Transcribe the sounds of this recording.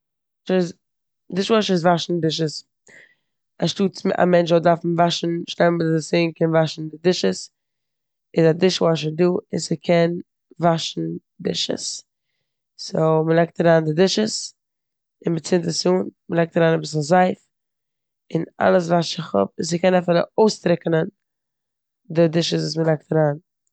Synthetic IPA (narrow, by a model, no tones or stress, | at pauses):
ʃz | dɪʃvɔʃɪs̬vaʃn̩dɪʃ̬əs | aʃtuːta̰mɛnt͡ʃvɔdaɾfn̩vaʃn̩ʃtɛmbɪdɪsɪːnkɛnvaʃn̩dɪdɪʃəs | ɪzadɪʃvɔʃ̬əduːɪnsɪkʰɛn | vaʃn̩ | dɪ̰ʃə̰s | soʊməlˠɛk̚taɾaːndɪdɪʃəs | ɪnbɪt͡sɪntəsuːnməlɛk̚taɾaːnabɪs̬azaɪf | ɪna̰lˠəs̬vaʃɪχɔ̰p̚ɪns̬ɪkɛnafɪlˠə̰oʊstɾɪknən | dɪdɪʃəs̬vuːs̬məlˠɛk̚taɾaːn